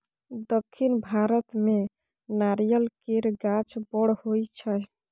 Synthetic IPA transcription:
d̪əkʰːinbʱaɾət̪me | naɾjəlkeɾɡat͡ʃbɔɽhojt͡ʃʰə

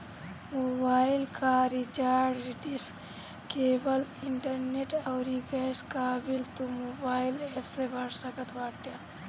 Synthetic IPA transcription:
moːbaːɪlkaɾit͡ʃaːɾɖɾiɖis | keːbəlɪɳʈəɾneʈaːɾiɡɛːskaːbilt̪umoːbaːɪlepʰsebʱɐɾsɐkət̪ʰʋaːʈja

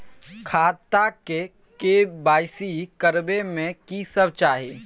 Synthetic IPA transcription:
kʰaːt̪ake | kebaːɪsikəɾbemẽkisəbt͡ʃaːɦeː

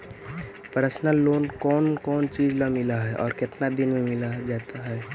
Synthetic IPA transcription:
pəɾəsnəlːoːnkɔːnkɔːnt͡ʃiːd͡ʒlamɪlaɦɛʔɔ̰ːɾkɪt̪nad̪ɪnmẽmɪlad͡ʒaːt̪aɦɛː

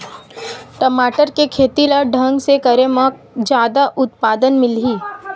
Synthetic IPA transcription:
ʈəmaːʈəɾkekʰeːt̪ilaɖʱɐ̃ŋɡsekɐɾemək̚ | d͡ʒjaːd̪aʔʊt̪paːd̪ənmɪlɦiː

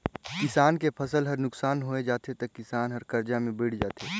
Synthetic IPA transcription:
kɪsaːnkepʰɐsəlɦɐɾnʊksaːnɦoːed͡ʒaːt̪et̪ɐkːɪsaːnɦəɾkɐɾd͡ʒamẽbɪːɽ̤d͡ʒaːt̪eː

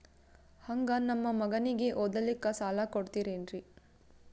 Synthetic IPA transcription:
hɐŋɡɐnɐmːɐmɐɡɐniɡeʔoːd̪ɐlikːɐsaːlakoɽt̪iːɾenɾi

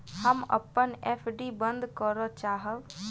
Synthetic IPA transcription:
həmɐ̰pːənepʰɖibə̃nd̪kəɾot͡ʃaːɦəʋ

